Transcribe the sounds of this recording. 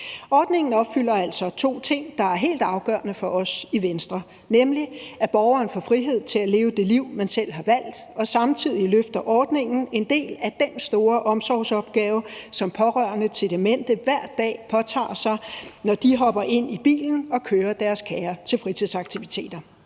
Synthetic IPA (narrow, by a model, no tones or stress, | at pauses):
ɒːd̥ne̝ŋn̩ɒ̽b̥fyl̰ɐæl̰sɒ̽t͡sʰo̝̰ːt͡sʰe̝ŋ̰d̥ɑ̈æɐɦe̝̰ːld̥ɑ̈ʊɡ̥ɶːɐnəfɒ̽ʔɒ̽siʋensd̥ʁɐ | nemliæb̥ɒːʊɐːnfɒfʁiɦe̝ð̰ˠt͡sʰe̝læle̝ːʊəd̥e̝liʊ̰mænsel̰ɦɑ̈ʋæl̰d̥ɒ̽sɑ̈mt͡sʰið̰ˠiløfd̥ɐʔɒːd̥ne̝ŋn̩e̝nd̥e̝̰ːlæd̥ensd̥o̝ːɐʔɒ̽msɒʊsɒ̽b̥̚ɡ̥ɛːʊsɒ̽mpʰɒ̽ʁɶɐnət͡sʰe̝d̥e̝men̰d̥əʋæɐ̰d̥ːɛ̰ːpʰɒ̽t͡sʰɑ̰̈ːsɑ̈ɪnɒd̥iɦɒ̽b̥ɐʔe̝n̰ib̥ḭːln̩ɒ̽kʰøːɐd̥æɐskʰɛːɐt͡sʰe̝lfʁit͡sʰiðˠsɑ̈ɡ̥̚t͡sʰiʋit͡sʰe̝̰ːd̥ɐ